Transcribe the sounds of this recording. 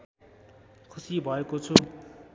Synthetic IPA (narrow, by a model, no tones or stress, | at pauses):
kʰusibʱʌekot͡sʰu